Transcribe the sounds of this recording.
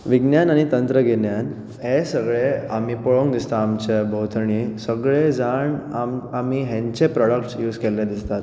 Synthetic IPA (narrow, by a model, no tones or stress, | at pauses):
ʋiɡnjanaɽ̃it̪ənt̪ɾəɡenjan | ɦesəɡɭeam̤iːpɔɭoŋɡd̪ist̪aːmt͡ɕebʱəwt̪ʰəɳisəɡɭed͡zaɳamamiːɦɛ̃ɲt͡ɕepɾɔɽəkʈsjuːd͡zkɛlɛd̪ist̪at̪